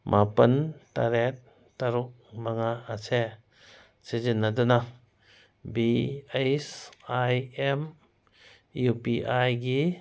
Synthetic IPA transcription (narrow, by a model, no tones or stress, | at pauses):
mʔapɐnta̰ɾet̚ | taɾuk̚maŋaːsʰe | sezinːaduna | biejsajem | jupiʔajɡi